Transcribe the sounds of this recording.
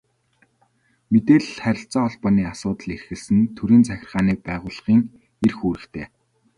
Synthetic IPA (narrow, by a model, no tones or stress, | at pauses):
met̪eːɮ̆χæɾʲɪ̆ɬt͡sɔːɔɮpɔniːasʊːt̪ə̆ɮerxɘ̆ɮsɘ̆nt̪ʰɵɾiːnt͡sʰæxʲɪ̆rʁaːniːpæːʁʊːɮʁiːŋ | erxuːɾɘ̆kt̪ʰeː